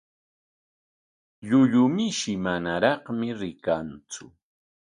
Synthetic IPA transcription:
ʎʊʎʊmɪʃɪmanaɾɑχmɪɾɪkant͡sʊ

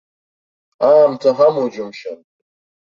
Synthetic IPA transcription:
aːmtʰaɦamud͡ʒʊmʃa̰n

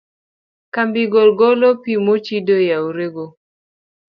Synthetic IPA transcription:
kambiɡɔlɡɔlopimot͡ʃidojauɾeɡo

